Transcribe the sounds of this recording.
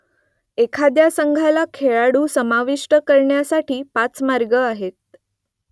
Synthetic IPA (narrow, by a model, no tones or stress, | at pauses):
ekʰad̪jasəŋɡʱalakʰeɭaɽuːsəmaʋiʂʈəkəɾɳjasaʈʰiːpat͡smaɾɡəaɦet̪̚